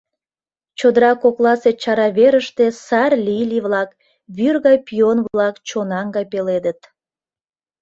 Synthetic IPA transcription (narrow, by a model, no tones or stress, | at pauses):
t͡ɕod̪əɾɑkoklˠɑset͡ɕɑɾɑβeɾəʃt̪esɑrlʲiliβlɑk | βyrɣɑjpionvlɑkt͡ɕonɑŋɡɑjpeled̪ət̪